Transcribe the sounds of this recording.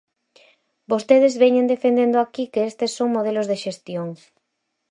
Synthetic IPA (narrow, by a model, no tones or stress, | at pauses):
bost̪eð̞ɪzβeɲẽnd̪efend̪end̪ʊakikeest̪esːoŋmoð̞elozðeʃest̪joŋ